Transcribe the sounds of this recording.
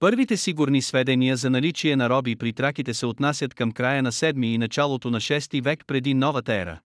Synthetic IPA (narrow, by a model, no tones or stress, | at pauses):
pɤɾvit̪ɛsiɡʊɾnisvɛd̪ɛniəzɐnɐlit͡ʃiɛnɐɾɔbipɾit̪ɾakit̪ɛsɛot̪nasʲjət̪kɐmkɾajənɐsɛd̪miːnɐt͡ʃalˠot̪onɐʃɛst̪ivɛkpɾɛd̪inɔvət̪ɐɛɾə̰